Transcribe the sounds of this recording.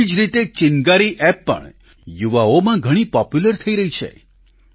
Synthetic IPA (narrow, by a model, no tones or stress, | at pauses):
id͡ʒɾit̪et͡ʃɪnɡaɾiʔɛpːə̰ɳ | juʋaomãɡʱəɽ̃ipɔpjuləɾt̪ʰəiɾəɦit͡ʃʰḛ